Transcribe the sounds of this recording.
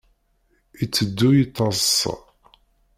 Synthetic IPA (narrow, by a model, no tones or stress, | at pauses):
it͡sːəd̪ːujət̪ˤːɑzs